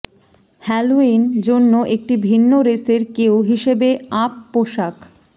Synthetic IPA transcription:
hɛluind͡ʑonːoʔek̚ʈibʱinːoɾeseɾkewɦiʃebeapːoʃak

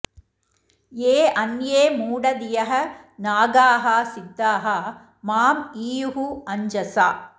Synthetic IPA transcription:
eːɐnjeːmuːɽɐd̪ɪjɐɦɐ | naːɡaːɦaːsɪd̪ːaːɦɐ | maːmiːjuɦuɐɲd͡ʒɐsaː

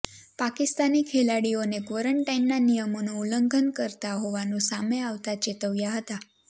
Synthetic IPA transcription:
pakɪst̪anikʰelaɽionekʋoɾəɳʈainːanijəmonouləŋɡʱənkəɾt̪aɦoʋanũsameaʋt̪at͡ʃet̪əʋjaɦət̪a

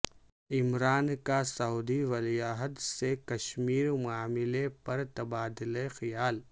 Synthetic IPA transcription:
ɪmɾaːnkasɐɦuːd̪iʋɐlijaːɦəd̪sekɐʃmiːɾmʊaːmɪlepɐɾt̪ɐbaːd̪ɪlexɪjaːl

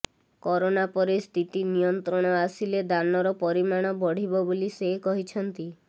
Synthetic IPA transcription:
kɔɾonapɔɾest̪ʰit̪inijɔnt̪ɾɔɽ̃ɔasiled̪anɔɾɔpɔɾimaɽ̃ɔbɔɽ̤ibɔbolisekɔɦit͡ʃʰɔnt̪i

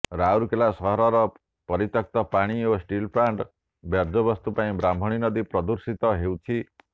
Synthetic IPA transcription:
ɾawɾukelasɔɦɔɾɔɾɔ | pɔɾit̪ɔk̚t̪ɔpaɽ̃iosʈilpʰɾaɳʈ | bjaɾd͡ʒɔbɔst̪upaĩbɾambʱɔɽ̃inɔd̪ipɾɔd̪uɾsit̪ɔɦewt͡ʃʰi

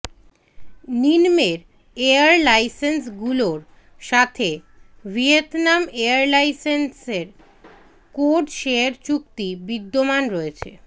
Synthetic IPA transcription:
ninmeɾ | eaɾlajsensɡuloɾ | ʃat̪ʰe | vʱiet̪nameaɾlajsenseɾ | koɖʃeeɾt͡ɕuk̚t̪ibid̪ːomanɾɔet͡ɕʰḛ

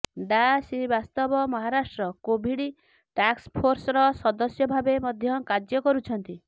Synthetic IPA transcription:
ɖasibast̪ɔbɔmɔɦaɾasʈɾɔkobʱiɽi | ʈakspʰoɾsɔɾɔsɔd̪ɔsjɔbʱabemɔd̪ʱjɔkad͡ʒjɔkɔɾut͡ʃʰɔnt̪i

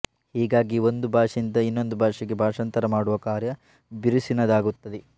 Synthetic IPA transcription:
hiːɡaːɡio̞nd̪ubʱaːʂind̪ɐinːo̞nd̪ubʱaːʂiɡe̞bʱaːʂɐnt̪ɐɾɐmaːɽuʋɐkaːɾjɐ | biɾisinɐd̪aːɡut̪ːɐd̪e

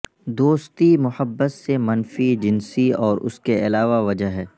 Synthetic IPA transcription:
d̪oːst̪imʊhəbːət̪semɐnfid͡ʒɪnsiɔːɾʔʊ̰skeɐlaːʋaʋɐd͡ʒəɦɦɛː

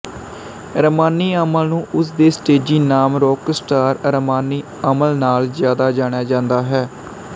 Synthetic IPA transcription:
əɾəmaːniːəməlnũːʔʊsd̪eːsʈeːd͡ʒiːnaːmɾoːksʈaːɾəɾəmaːniː | əməlnaːlzjaːd̪aːd͡ʒaːɽ̃jaːd͡ʒãːnd̪aːɦɛː

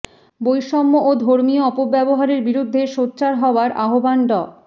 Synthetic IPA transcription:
bojʃɔmːoʔod̪ʱoɾmioɔpobɛboɦaɾeɾbiɾud̪ʱːeʃotːɕaɾɦɔoaɾaɦobanɖɔ

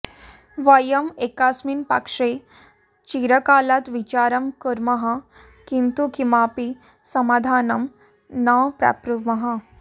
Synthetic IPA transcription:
ʋajəmekasmiːnpa̰kʂe | t͡ɕiɾəkalat̪ʋit͡ɕaɾəmkəɾmɐɦa | kint̪ukimapi | sɐmaːd̪ʱaːnɐm | naʋpɾa̰pɾumɐɦa

